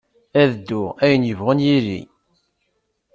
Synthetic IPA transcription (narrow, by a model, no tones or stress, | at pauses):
æðd̪ːʊæjənjəvʁənjilḭ